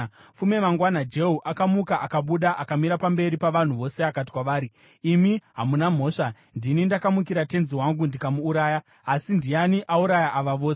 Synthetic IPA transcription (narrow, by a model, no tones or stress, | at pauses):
fume̞maŋɡwanad͡ʒe̞ɦuʔakamukaʔakaɓuɗaʔakamiɾapambe̞ɾipaʋan̤uʋo̞seakati̥kwaʋaːɾiː | miɦamunam̤o̞ːʂa | ndinindakamukiɾate̞nziwaŋɡundikamuːɾaːja | asindijaniʔauɾajaʔaʋaʋoːs